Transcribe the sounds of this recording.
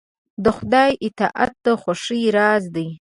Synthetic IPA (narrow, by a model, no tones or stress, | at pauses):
d̪əxʊd̪ɑjʔɪt̪ɑʔa̰t̪̚ːaxaʂiɾɑzd̪əj